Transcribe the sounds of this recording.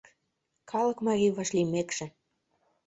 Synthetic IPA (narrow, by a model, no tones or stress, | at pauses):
kʰɑlɤ̆kmɑrʲiβɑʃlimekʃĕ